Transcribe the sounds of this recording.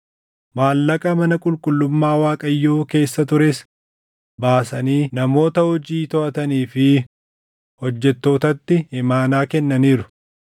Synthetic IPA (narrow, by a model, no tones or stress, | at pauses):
maːlːɐkʼɐmɐnɐkʼʊlkʼʊlːʊmːaːwaːkʼɐjːoːke̞ːsːɐt̪ʊɾes | baːsɐniːnɐmo̞ːt̪ɐhɔd͡ʒiːt̪ɔʔɐt̪ɐniːfɪ | hɔd͡ʒːɛt̪ːo̞ːt̪ɐt̪ːɪɪmaːnaːkɛnːɐniːɾʊ̥